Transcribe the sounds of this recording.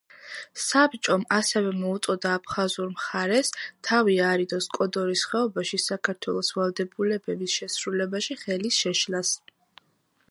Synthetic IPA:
sabt͡ʃʼɔmasɛvɛmɔut̪sʼɔd̪aːpʰχazuɾmχaɾɛst̪ʰaviaɾid̪ɔskʼɔd̪ɔɾisχɛɔbaʃisakʰaɾt̪ʰwɛlˠɔsvalˠd̪ɛbulɛbɛbisʃɛsɾulɛbaʃiχɛlisʃɛʃlas

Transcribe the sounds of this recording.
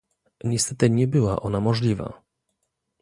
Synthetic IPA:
ɲɛst̪ɛt̪ɘɲɛbɘwa̰ʔɔnamɔʐlʲiva̰

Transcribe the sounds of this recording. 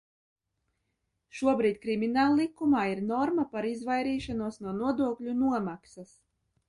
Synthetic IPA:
ʃuɔbɾiːt̪̚ʲkɾimʲinaːlˠːikumaːiɾnɔɾmapaɾizvajɾiːʃanuɔsnuɔnuɔd̪uɔklʲunuɔmaksɐs

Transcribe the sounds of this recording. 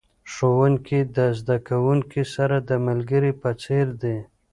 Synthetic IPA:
ʂowəŋkid̪əzd̪akawuŋkisaɾad̪əmalɡəɾipət͡seɾd̪e

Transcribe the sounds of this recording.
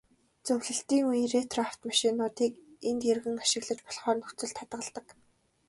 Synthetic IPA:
t͡sɵwɮɘ̆ɬt̪iːŋujiret̪ʰraw̥t̪maʃɪnʊːt̪iːkent̪jerɣɘ̆ŋaʃɪ̆ɣɮə̆t͡ɕpɔ̥ɮχɔːrnɵxʰt͡sɵ̆ɮt̪ʰːat̪ɢə̆ɮt̪ə̆k

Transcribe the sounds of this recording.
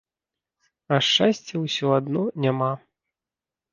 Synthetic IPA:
ɐʂt͡ʂasʲt͡sʲːɛwsʲɔad̪nɔnʲama

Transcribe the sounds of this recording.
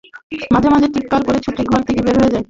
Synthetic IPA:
mad͡ʑʱemad͡ʑʱeʈik̚kaɾkoɾet͡ɕʰoʈʰiɡʱɔɾt̪ʰekebeɾɦojed͡ʑae

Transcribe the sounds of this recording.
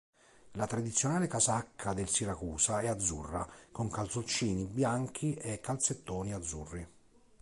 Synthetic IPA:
lat̪ɾad̪it̪sjonaːlɪkasakʰːad̪elsiɾakuːsaɛad̪zːṵrːa̰koŋkalt̪sot͡ʃːiːnibjaŋk̟ʰiɛkːalt̪set̪ːɔːniad̪zːṵrːi

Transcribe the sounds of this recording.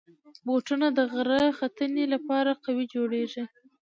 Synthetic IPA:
boʈunad̪əɣɾaxat̪ənelapɑɾaqawid͡ʒoɽeʐi

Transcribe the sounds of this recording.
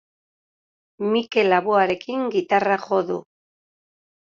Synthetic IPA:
mike̞laβuaɾe̞kiŋɡit̪araχo̞ðu

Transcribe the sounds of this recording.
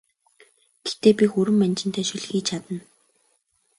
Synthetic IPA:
ɡ̥et̪eːpʲixɵɾɘ̆mːænʲt͡ɕɪ̆nt̪ʰæːʃɵɮxiːt͡ɕʰat̪ə̆n

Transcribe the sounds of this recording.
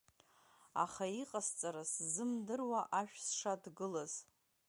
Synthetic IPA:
a̰χaiqʼast͡sʼaɾaszɨmdɨrwaʔaʃᶣsʂadɡɨlaz̥

